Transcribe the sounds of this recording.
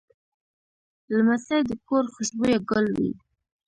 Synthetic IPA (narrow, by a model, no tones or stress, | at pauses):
lamasajd̪əkoɾxʊʃbojaɡəlwḭ